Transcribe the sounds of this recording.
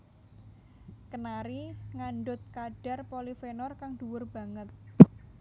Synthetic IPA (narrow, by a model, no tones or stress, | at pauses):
kənaɾiŋaɳɖʊt̪̚kaɖ̥a̤rpolifenɔrkaŋd̥uwʊrb̥a̤ŋət̪̚